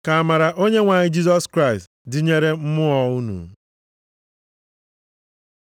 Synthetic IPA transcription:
ka˨a˨ma˨ɾa˨ʔo˦ɲe˦ŋʷa˨ɲɪ˦d͡ʒi˦zɔ˦skɾa˦˨ɪ˨st | dɪ˨ɲe˦ɾe˦m̩˦mʊ˦ɔ˨u˦nṵ˨

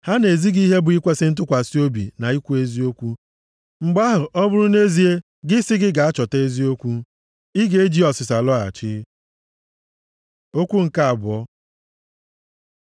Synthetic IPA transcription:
ha˦ne˨zi˦ɡi˦ɦe˦bʊ˨i˦kʷe˦sɪ˦n̩˦t̬ʊ˦kʷa˨si˦o˦bḭ˨na˨i˦kʷu˦e˦zi˦o˦kʷu˦ | ŋ͡m̩˨ɡ͡ba˦ɦʊ˨ʔɔ˦bʊ˦ɾʊ˦ne˦zi˨˦e˦ | ɡɪ˦sɪ˦ɡɪ˦ɡa˨a˦t͡ʃɔ˨te˦zi˦o˦kʷu˦ | i˦ɡe˦e˦d͡ʒi˦ɔ˨sɪ˨s̬a˨lɔ˦a̰˨t͡ʃɪ˦ | o˦kʷu˦ŋ̩˨ka˦a˨bʊ˨ɔ˦

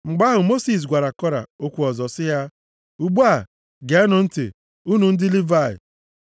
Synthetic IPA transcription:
ŋ͡m̩˨ɡ͡ba˦ɦʊ˨mo˦si˨s̬ɡʷa˨ɾa˨kɔ˦ɾa̰˨o˦kʷu˨ɔ˨zɔ˨sɪ˦ɦa˦ | u˨ɡ͡bu˦a˨ | ɡe˨a˦nʊ˨n̩˦tḛ˨ | u˦nu˨n̩˦dɪ˦li˦va˦˨ɪ̰˨

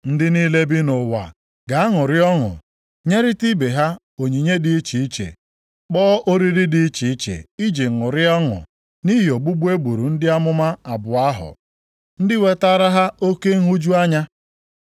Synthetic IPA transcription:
n̩˦dɪ˦niː˦le˦bi˦nʊ˨wa̰˨ | ɡa˨a˦ŋʊ˨ɾɪ˦ɔ˦ŋʊ̰˨ | ɲe˦ɾɪ˦ti˦be˨ɦa˦ | o˨ɲi˨ɲe˦di˦i˦t͡ʃi˨i˦t͡ʃḛ˨ | k͡pɔː˦ʔo˦ɾi˦ɾɪ˦dɪ˦i˦t͡ʃi˨i˦t͡ʃḛ˨i˦d͡ʒi˨ŋʊ˨ɾɪ˦ɔ˦ŋʊ̰˨ | ni˦ɦɪ˨o˨ɡ͡bu˦ɡ͡bu˦e˦ɡ͡bu˨ɾu˨n̩˦dɪ˦a˦mʊ˦ma˦a˨bʊ˨a˦ɦʊ̰˨ | n̩˦dɪ˦we˦ta˦ɾa˦ɦa˦o˦ke˦ŋ̩˦ɦu˦d͡ʒu˦a˦ɲa˦

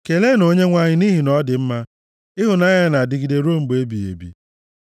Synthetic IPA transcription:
ke˨le˦no˦ɲe˦ŋʷa˨ɲɪ˦ni˦ɦi˨nɔ˦dɪ˨m̩˦ma˦ | ɪ˦ɦʊ˨na˦ɲa˦na˨dɪ˦ɡi˨de˦ɾo˦˨m̩˨be˦bi˨ḛ˨bḭ˨

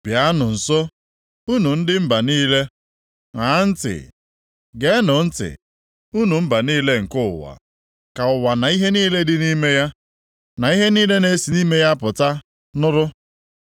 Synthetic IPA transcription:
b̥ja˨a˦nʊ˨n̩˨so˦ | u˦nu˨n̩˦dɪ˦m̩˦ba˨niː˦le˦ | ŋa˨˦n̩˦tɪ̰˨ | ɡe˨˦nʊ˨n̩˦tɪ̰˨ | u˦nu˨m̩˦ba˨niː˦le˦ŋ̩˨kʊ̰˦˨wa̰˨ | ka˨ʊ˨wa˨na˨i˦ɦe˦niː˦le˦dɪ˦ni˦me˦ja˦ | na˨i˦ɦe˦niː˦le˦ne˦si˨niː˦me˦ja˦pʊ˨ta˦ | nʊ˦ɾʊ˦

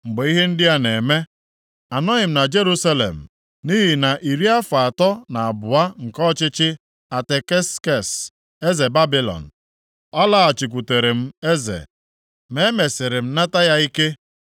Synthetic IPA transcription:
ŋ͡m̩˨ɡ͡be˨i˦ɦe˦n̩˦dɪ˦a˦ne˨me˦ | a˨nɔ˦ɪ˨m̩˨na˨d͡ʒe˦ɾu˦sa˦lḛ˨m̩˨ | ni˦ɦi˨na˨ʔi˨ɾi˦a˦faa˨tɔ˦na˨a˨bʊ˨a˦ŋ̩˨kɔ˦t͡ʃɪ˦t͡ʃɪ˦ | a˨te˨ke˦ske˦˨s | e˦ze˨ba˦bɪ˦lɔ̰˨n̩˨ | ɔ˦la˦a˨t͡ʃi˨kʷu˨te˨ɾe˨m̩˦e˦zḛ˨ | me˦me˨sɪ˨ɾɪ˨m̩˦na˦ta˦ja˦i˦ke˦

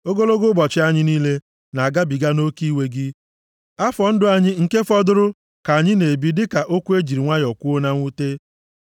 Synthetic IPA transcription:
o˦ɡo˦lo˦ɡʊ˦bɔ˨t͡ʃɪ˦a˦ɲɪ˦niː˦le˦ | na˨a˨ɡa˦bi˨ɡa˦no˦ki˦we˦ɡɪ˦ | a˦fɔ˨n̩˦dʊ˦a˦ɲɪ˦ŋ̩˨ke˦fɔ˦dʊ˦ɾʊ˦ | ka˨ɲɪ˦ne˨bi˦dɪ˦ka˨ʔo˦kʷu˦e˦d͡ʒi˨ɾi˨ŋʷa˦jɔ˨kʷu˦o˦na˦ŋʷu˦te˦

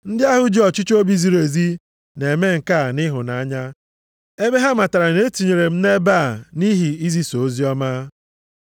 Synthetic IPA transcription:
n̩˦dɪ˦a˦ɦʊ˨d͡ʒɔ˨t͡ʃi˦t͡ʃo˦bi˦zi˨ɾe˨zi˦ | ne˨me˦ŋ̩˨ka˦˨nɪ˦ɦʊ˨na˨a˦ɲa˦ | e˦be˦ɦa˦ma˨ta˨ɾa˨ne˦tu˨ɲe˨ɾe˨m̩˦ne˦ba˦˨ni˦ɦi˨i˦zi˦so˨o˦zi˦ɔ˦ma˦

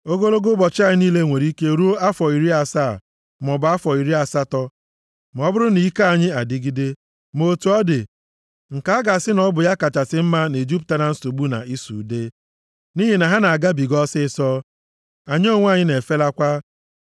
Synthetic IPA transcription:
o˦ɡo˦lo˦ɡo˦bɔ˨t͡ʃɪ˦a˦˨ɲɪ˦niː˦le˦˨ŋʷe˨ɾi˦ke˦ɾu˦o˦a˦fɔ˨i˨ɾi˦a˨sa˦˨ | mɔ˨bʊ˨˦a˦fɔ˨i˨ɾi˦a˨sa˦tɔ˦ | m˨˦bʊ˦ɾʊ˦ni˨˦ka˦a˦˨ɲɪ˦a˨dɪ˦ɡi˦de˦ | mo˨tu˨ɔ˦dɪ˨ | ŋ̩˨ka˨a˦ɡa˨sɪ˦nɔ˦bʊ˨ja˦ka˨t͡ʃa˨sɪ˦m̩˦ma˦ne˨d͡ʒi˦p̬̚ta˦na˨n̩˦so˨ɡ͡bu˦na̰˨i˦sṵ˨de˦ | ni˦ɦi˨na˨ɦa˦na˨a˨ɡa˦bi˨ɡɔ˦sɪ˦˨sɔ˦ | a˨ɲ˦o˦˨ŋʷ˦a˦˨ɲɪ˦ne˨fe˦la˦kʷa˦

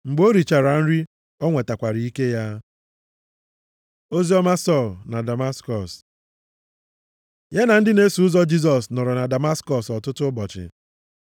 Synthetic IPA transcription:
ŋ͡m̩˨ɡ͡bo˦ɾi˨t͡ʃa˨ɾa˨n̩˦ɾi˦ | ɔ˦ŋʷe˨ta˨kʷa˨ɾi˨i˦ke˦ja˦ | o˦zi˦ɔ˦ma˦sɔ˦˨lna˨da˨ma˦skɔ˨s | je˦na˨n̩˦dɪ˦ne˦su˨ʊ˦zɔ˦d͡ʒi˦z̬ɔ˨snɔ˨ɾɔ˨na˨da˨ma˦skɔ˦˨sɔ˨tʊ˦tʊ˦bɔ˨t͡ʃɪ̰˨

